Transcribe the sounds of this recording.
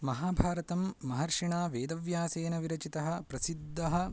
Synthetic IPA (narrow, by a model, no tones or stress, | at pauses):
mɐɦaːbʱaːɾɐt̪ɐmːɐɦɐɾʂiɳaːʋeːd̪ɐʋjaːseːnɐʋiɾɐt͡ʃit̪ɐɦɐpɾɐsid̪ːɐɦɐ